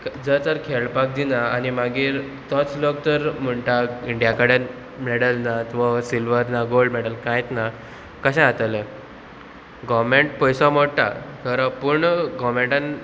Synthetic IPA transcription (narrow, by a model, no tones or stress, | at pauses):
kd͡zəɾt̪əɾkʰeɭpak̚d̪inaːnimaɡiːɾ | t̪ɔt͡slok̚t̪əɾm̤əɳʈaiɳɖijakəɽen | mɛɽəlnat̪ʋasilʋəɾnaɡoɭɖmɛɽəlkãjt̪na | kəɕɛ̃at̪ale | ɡɔmeɳʈpəjsɔmɔɽʈ̪a̰t̪ʰəɾapuɳɡɔmẽɳʈãn